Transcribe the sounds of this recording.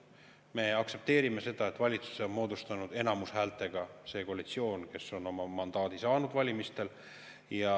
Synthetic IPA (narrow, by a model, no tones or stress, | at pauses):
me̞ɑkse̞p̚t̪e̞ːɾime̞se̞d̪̥ɑet̪ːˑvɑlʲit̪su̥seonmo̞ːd̪ust̪ɑnud̪̥e̞nɑmushæːlt̪ːˑe̞ɡ̥ɑse̞ːkolʲit̪sio̞ːnke̞so̞no̞mɑmɑnd̪̥ɑːd̪̥isɑːnud̪vɑlʲimist̪e̞l | jɑ